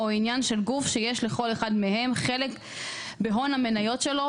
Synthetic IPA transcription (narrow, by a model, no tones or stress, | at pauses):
oinjanʃe̞lɡufʃejeʃle̞χo̞leχadme̞ɦe̞mχe̞lek | beɦo̞name̞najo̞tʃe̞lo̞